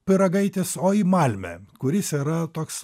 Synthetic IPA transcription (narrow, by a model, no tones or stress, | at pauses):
pʲɪɾɐɡɐɪt̪ʲesoːiːmɑlʲmʲɛ̰kʊɾʲɪsiːɾɐt̪oːks